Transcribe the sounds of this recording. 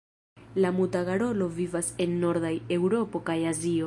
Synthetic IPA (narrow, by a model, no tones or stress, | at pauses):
lamutaɡaɾo̞lo̞vivase̞nːo̞ɾdaje̞wɾo̞po̞kajazio̞